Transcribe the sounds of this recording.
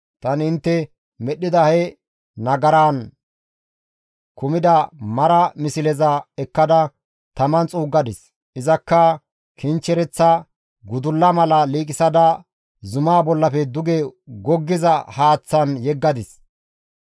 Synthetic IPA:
t̪ɐnɪnt̪ːɛ | mɛɗːɪd̪ɐhɛ | nɐɡɐɾaːn | kʊmɪd̪ɐmɐɾɐmɪsɪlɛzɐɛkːɐd̪ɐ | t̪ɐmɐnt͡sʼuːɡːɐd̪ɪs | ʔɪzɐkːɐ | kʰɪnt͡ʃːɛɾɛt͡sːɐ | ɡʊd̪ʊlːɐmɐlɐliːkʼɪsɐd̪ɐ | zʊmaːbɔlːɐfɛd̪ʊɡɛɡɔɡːɪzɐhaːt͡sːɐnjɛɡːɐd̪ɪs

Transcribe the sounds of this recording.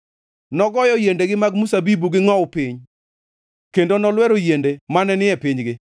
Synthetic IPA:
nɔɡɔjɔjendeɡɪmaɡmusabibuɡɪŋɔwpɪɲ | kendonɔlwɛɾojendemanɛnɪjɛpɪɲɡɪ

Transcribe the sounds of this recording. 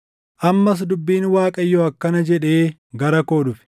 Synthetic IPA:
ʔɐmːɐs̬d̪ʊbːiːnwaːkʼɐjːoɐkːɐnɐd͡ʒɛᶑe̞ː | ɡɐɾɐko̞ːᶑʊfɪ̥

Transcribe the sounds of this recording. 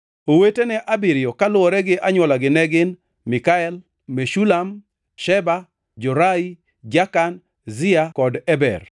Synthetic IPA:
owetenɛʔabɪɾɪjɔkalʊɔɾɛɡɪʔaɲwɔlaɡɪnɛɡɪn | mɪkaɛl | meʃulam | ʃɛba | d͡ʒɔɾai | d͡ʒakan | zɪakɔdɛbɛ̰r

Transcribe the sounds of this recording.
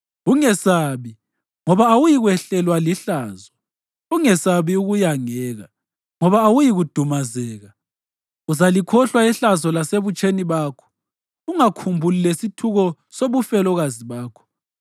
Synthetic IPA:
uŋɛsaβi | ŋɔβaːwujiɣwɛɬɛlwaliɬaːzɔ | uŋɛsaβiuɣujaŋɛːɣa | ŋɔβaːwujiɣud̥ʱumazɛːɣa | uzalikʰɔɬwaɛɬazɔlaseβut͡ʃʼeniβaːkʰɔ̥ | uŋakʰumbʱulilesitʰuɣɔ | soβufɛlɔɣaziβaːkʰɔ̥

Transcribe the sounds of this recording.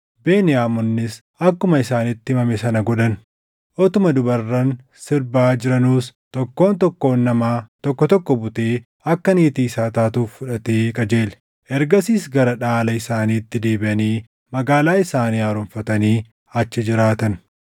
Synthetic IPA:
beːnɪjaːmɔnːɪs | ɐkːʊmɐɪsaːnɪt̪ːɪmɐmɛsɐnɐɡɔᶑɐn | ʔɔt̪ʊmɐd̪ʊbɐrːɐn | sɪɾbaːd͡ʒɪɾɐnuːst̪ɔkːo̞ːnt̪ɔkːo̞ːnːɐmaːt̪ɔkːɔt̪ɔkːɔbʊt̪eː | ɐkːɐniːt̪iːsaːt̪aːt̪uːfːʊᶑɐt̪e̞ːkʼɐd͡ʒe̞ːlɛ̥ | ʔɛɾɡɐsiːsɡɐɾɐᶑaːlɐɪsaːniːt̪ːɪd̪e̞ːbɪʔɐniː | mɐɡaːlaːɪsaːniːaːɾʊmfɐt̪ɐniː | ɐt͡ʃːɪd͡ʒɪɾaːt̪ɐn

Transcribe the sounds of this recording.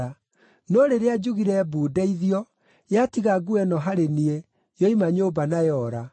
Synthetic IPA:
a | noɾeɾead͡ʑuɣiɾɛbuːdɛiðiɔ | jatiɣaɡuɛnɔɦaɾenie | jɔimaɲoːbanajɔɾa

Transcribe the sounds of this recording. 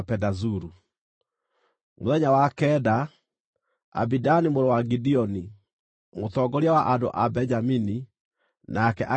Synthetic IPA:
pɛdazuɾu | moðɛɲawakɛda | a̰bidanimoɾowaɡidiɔni | mot̪ɔɡɔɾjawaʔando̰ʔabɛɲd͡ʒamini | nʔakɛ̰ʔa

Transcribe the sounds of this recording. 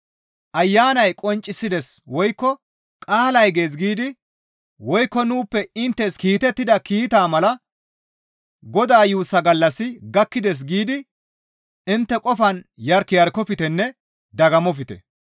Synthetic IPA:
ʔɐjːaːnɐjkʼɔnt͡ʃʼːɪsːɪd̪ɛswɔjkːɔ | kʼaːlɐjɡe̞ːs̬ɡiːd̪ɪ | wɔjkːɔnuːpːɛɪnt̪ːɛskiːt̪ɛt̪ːɪd̪ɐkiːt̪aːmɐlɐ | ɡɔd̪aːjuːsːɐɡɐlːɐsːɪɡɐkːɪd̪ɛs̬ɡiːd̪ɪ | ɪnt̪ːɛkʼɔfɐnjɐɾkːɪjɐɾkːɔfɪt̪ɛnːɛ | d̪ɐɡɐmɔfɪt̪ɛ̰

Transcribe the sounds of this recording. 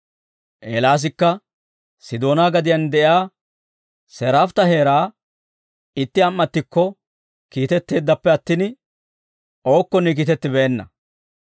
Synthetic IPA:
ʔeːlaːs̬ɪkːɐ | sɪd̪o̞ːnaːɡɐd̪ɪjɐnd̪ɛʔjaː | sɛɾaːft̪ɐheːɾaː | ɪt̪ːɪɐmːɐt̪ːɪkːɔ | kiːt̪ɛt̪ːe̞ːd̪ːɐpːɛɐt̪ːɪn | ʔo̞ːkːɔnːɛk̬iːt̪ɛt̪ːɪbeːnːɐ̰

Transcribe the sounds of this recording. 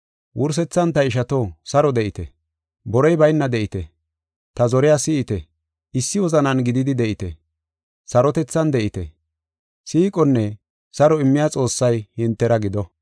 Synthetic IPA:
wʔʊɾs̬ɛt͡sːɐnt̪ɐɪʃ̬ɐt̪osɐɾɔd̪ɛʔɪt̪ɛ̰ | bɔɾɔjbɐjnːɐd̪ɛʔɪt̪ɛ | t̪ɐzɔɾɪjaːsɪɪt̪ɛ | ɪsːɪwɔzɐnɐnɡɪd̪ɪd̪ɪd̪ɛʔɪt̪ɛ̰ | sɐɾɔt̪ɛt͡sːɐnd̪ɛʔɪt̪ɛ | siːkʼɔnːɛ | sɐɾɔɪmːɪjaːt͡sʼo̞ːsːɐjhɪnt̪ːɛɾɐɡɪd̪ɔ

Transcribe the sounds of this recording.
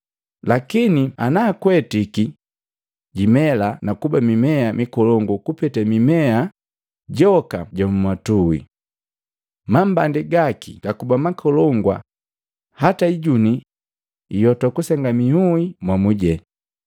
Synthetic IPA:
lakinianaːkwɛtiki | ɟimɛlanakubamimɛamikɔlɔŋɡukupɛtɛmimɛa | ɟɔka̰ɟamumwatuwḭ | mambandiɡakḭɡ̥akubamakʰɔlɔŋɡwa̰ | hataiɟuniː | jɔtɔkusɛŋɡamihuimwamuɟɛ

